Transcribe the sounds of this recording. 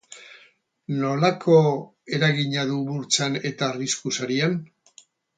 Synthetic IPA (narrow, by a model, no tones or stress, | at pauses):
no̞lakʰo̞ | e̞ɾaɣiɲaðuβuɾt͡sane̞t̪aːriskusaɾian